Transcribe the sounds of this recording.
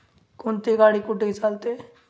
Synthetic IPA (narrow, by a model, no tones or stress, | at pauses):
kʊnt̪iɡaːɽikʊɖet͡ʃaːlt̪e